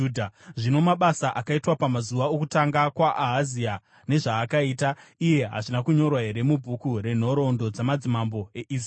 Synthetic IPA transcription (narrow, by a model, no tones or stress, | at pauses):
dʱaʐino̞maɓasaʔakaitwapamazuʋaokutaŋɡakwaʔaɦːzia | ne̞ʐaːkaitaije̞ɦa̰ʐinakuɲo̞rwaɦe̞ɾe̞mubʱukure̞n̤o̞ɾo̞ndo̞d͡zamad͡zimambo̞e̞ʔis